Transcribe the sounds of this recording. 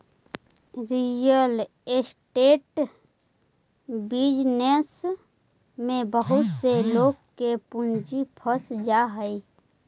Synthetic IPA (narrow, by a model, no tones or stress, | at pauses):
ɾijəl | esʈeːʈ | bid͡ʒnes | mẽbəɦʊt̪seloːɡ̚kepʊnd͡ʒipʰəsd͡ʒaɦəi